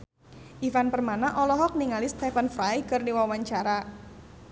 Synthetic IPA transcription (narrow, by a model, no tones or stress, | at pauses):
ʔifanpərmanaʔɔlɔɦɔk̚niŋalist̪ɛfənfɾajkɨrdiwawaɲt͡ʃaɾa